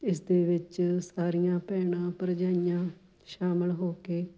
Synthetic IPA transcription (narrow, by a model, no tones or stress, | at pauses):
ɪsd̪eːʋɪt͡ʃsaːɾijãːpɛːɳ̃ãːpəɾd͡ʒaːijãː | ʃaːməlɦoːkeː